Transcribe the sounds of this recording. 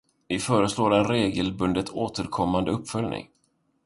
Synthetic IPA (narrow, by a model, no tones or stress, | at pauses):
vɪfœːɾəsloːɾɛnɾeːɡəlbɵnd̪ət̪oːt̪ʰəɾkʰɔmːand̪əɵpːfœljnʔɪ̰ŋ